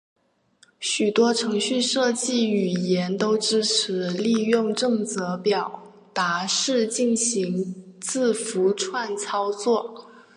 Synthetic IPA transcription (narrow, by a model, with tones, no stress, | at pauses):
ɕy˨˩t̪wɔ˥ʈ͡ʂʰɤ˧˥ŋɕy˥˧ʂɤ˥˧t͡ɕi˥˩y˨˩jɛ˧˥nt̪o˥ʊʈ͡ʂɻ̩˥ʈ͡ʂʰɻ̩˧˥li˥˧jʊ˥˧ŋʈ͡ʂɤ˥˩ŋt͡sɤ˧˥pjɑ˨˩ʊ | t̪a˧˥ʂɻ̩˥˧t͡ɕi˥˩nɕi˧˥ŋt͡sɹ̩˥˩fu˧˥ʈ͡ʂʰwa˥˩nt͡sʰɑ˥ʊt͡swɔ˥˩